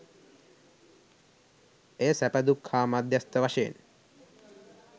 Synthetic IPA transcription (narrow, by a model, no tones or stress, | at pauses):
ejəsæpəd̪ukʰːaːmad̪jast̪əʋaʃejḛn